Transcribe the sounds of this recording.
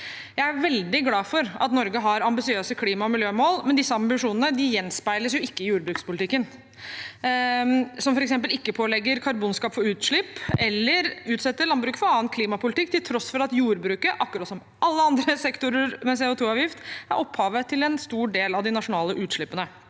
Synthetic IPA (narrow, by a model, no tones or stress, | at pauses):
jæɪæɾʋɛld̪ɪɡlɑːfɔɾɑ̰t̪nɔɾɡəɦɑɾɑmbɪsɪøːsəkʰliːmɑɔmɪljøːmoːlmɛnd̪ɪsːəɑmbɪʂuːnənəd̪ɪjɛnspæɪləsjʊɪkːəɪjuːɾbɾʉkspʊlɪt̪ɪkːən | sɔmfɔɾɛksɛmp̬əlɪkːəpʰoːlɛɡəɾkʰɑɾbuːnskɑːpfɔɾʉːt̪ʂɭɪpːɛlːəɾʉːt̪sɛt̪ːəɭɑnbɾʉːkfɔɾɑːənkʰliːmɑpʰʊlɪt̪ɪkːt̪ɪlt̪ʰɾɔsfɔɾɑt̪juːɾbɾʉːkəʔɑkːɾɑt̪sɔm | ʔɑlːəɑnd̪ɾəsɛkt̪ʊɾəɾmɛs̬eːʊt̪ʰuːɑːʋjɪft̪æɾʔɔpːhɑːʋət̪ʰɪlɛnst̪uːɖeːlɑʋd̪ɪnɑʂʊnɑːləʔʉːt̪ʂɭɪpːənə